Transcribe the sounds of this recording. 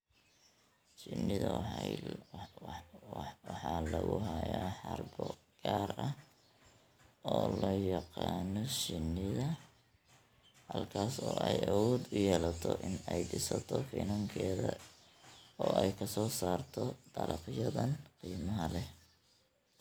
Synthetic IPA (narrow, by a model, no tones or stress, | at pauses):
t͡ʃɪnːɪðɐ | wɑħɑːlɐɣʊɦɐjaːħɑrbɔ | ɡ̥aːrɐ | ɔːlɔːjɑqɑːnɔʃɪnːɪðɐ | hɐlkʰaːsɔːʔɛjʔɐwɔːd̪ʊjɛːlɐt̪ʰɔʔɪnɛjɖɪsɐt̪ʰɔfinɐŋkʰɛːðɐ | ɔːʔɛjkʰɐsɔːsaːrt̪ʰɔd̪̥ɐlɑqjɐðɐnqiːmɐɦɐlɛ